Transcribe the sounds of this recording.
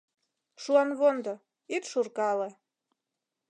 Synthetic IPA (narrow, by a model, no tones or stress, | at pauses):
ʂuanvond̪a | it̪ʂurkʼala